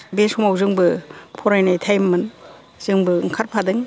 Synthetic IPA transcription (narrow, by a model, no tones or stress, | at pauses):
beshumawzɯŋbɯpʰɔɾajnajtʰajmːɯn | z̥ɯŋbɯŋkʰaɾpʰadɯŋ